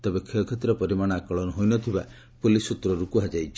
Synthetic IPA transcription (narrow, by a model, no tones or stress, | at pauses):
t̪ebekʰeɔkʰɔt̪ɾɔpɔɾimaɽ̃ɔakɔɭɔnɔɦojnɔt̪ʰiba | pulisut̪ɾɔɾukuɦad͡ʒajt͡ʃʰi